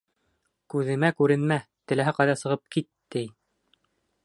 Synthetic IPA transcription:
kʉðɘ̆mækʉɾɘ̆nmæt̪ɘ̆læɦæqɑjðɑsɤ̆ʁɤp̚kit̪ːɘj

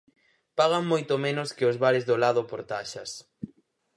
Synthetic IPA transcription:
paɣ̞aŋmojt̪omenʊskɪozβaɾɪzðolaðʊpoɾt̪aʃɐs

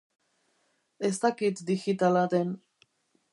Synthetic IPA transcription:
est̪akit̪d̪iɣit̪aladen

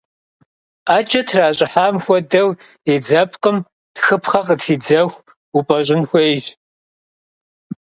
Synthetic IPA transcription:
aːt͡ʃʼɐtʰraːɕʼɪħaːmxʷɔdɐw | ed͡zɐpʰʼqʼəm | txɨpʰχɐqətʰiːd͡zɐxʷ | upʼɐɕ̬ʼɪnxʷejʒ

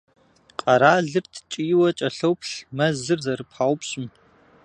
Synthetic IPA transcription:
qʼɐɾaːɮɨrtʰt͡ʃʼijwɐt͡ʃʼɐɬɐwpɬmɐzɨrzɐɾɨpħaːwpɕʼɪm

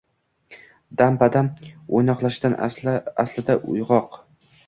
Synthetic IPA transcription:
d̪ampad̪amojnɒqlˠaʃd̪anaslɪd̪aʔʊ̰jʁɒq

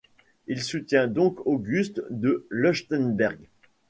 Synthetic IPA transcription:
ilsut̪jɛ̃d̪ɔ̃koɡʲyst̪d̪əlɔʃt̪ɛnbɛʁɡ

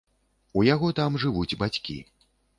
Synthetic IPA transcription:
ujaɣɔt̪amʐɨvud͡zʲbat͡sʲkʲḭ

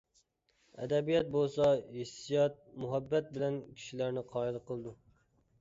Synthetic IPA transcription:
ɛ̰d̪ɛbijɑt̪̚bolˠsɑhisijɑt̪̚muɦæbːɛt̪̚bɪlɛnkʲʰi̥ʃilæɾnɪqʰɑːɪlqʰəlˠd̪u

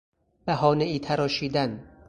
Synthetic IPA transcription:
b̥æɦɒːneiːt̪ʰæɾɒːʃiːd̪æn

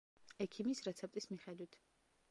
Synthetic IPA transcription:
ɛkʰimisɾɛt̪sʰɛp̚t̪ʼismiχɛd̪wit̪ʰ

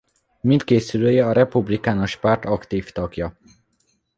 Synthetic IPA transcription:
mint̪keːsyløːjɛɒɾɛpublikaːnoʃpart̪ɒkt̪iːft̪ɒɡjɒ

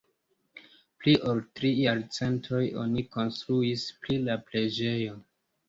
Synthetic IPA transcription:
pliʔoltɾijaɾt͡se̞ntʰo̞jo̞̰niko̞nstɾuispɾilaple̞d͡ʒe̞jo̞

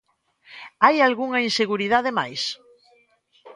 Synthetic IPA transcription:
ajalɣuŋɐinseɣuɾið̞aðema̰js

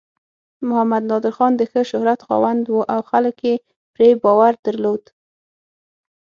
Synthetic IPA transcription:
mʊhamad̪nɑd̪ɪɾxɑnd̪əxəʃʊhɾat̪xɑ̰wand̪wuʔawxaləkje | pɾebɑwaɾd̪əɾlod̪̥

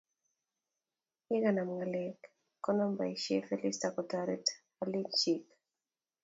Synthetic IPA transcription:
ikanamŋalɛk | kːɔnɔmbaiʃefɛlistakɔtaɾit | alit͡ʃik

